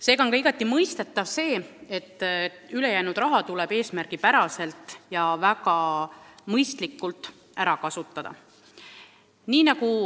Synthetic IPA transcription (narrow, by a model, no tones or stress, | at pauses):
se̞ːɡɑonkɑiɡ̥ɑt̪ːˑimɤjst̪e̞t̪ːˑɑvse̞ːe̞t̪ːˑ | yle̞jæːnud̪̥ɾɑɦɑt̪ulɛb̥e̞ːsmæɾɡ̥ipæɾɑse̞lt̪ːˑjɑvækɑ | mɤjst̪likːˑult̪ːˑ | æɾɑkɑsut̪ːˑɑd̪̥ɑ̰ | niːnɑku